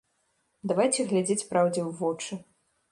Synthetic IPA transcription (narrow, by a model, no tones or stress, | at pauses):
d̪avajt͡sʲɛɣlʲad͡zʲet͡sʲpɾawd͡zʲɛwvɔt͡ʂɨ